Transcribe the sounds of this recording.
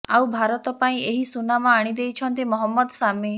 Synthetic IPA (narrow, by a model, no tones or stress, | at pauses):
awbʱaɾɔt̪ɔpaĩeɦisunamɔaɽ̃id̪ejt͡ʃʰɔnt̪̬imɔɦɔmːɔd̪sami